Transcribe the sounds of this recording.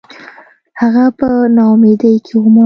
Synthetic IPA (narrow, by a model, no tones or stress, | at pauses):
haɣapənɑmed̪əjkʰewoma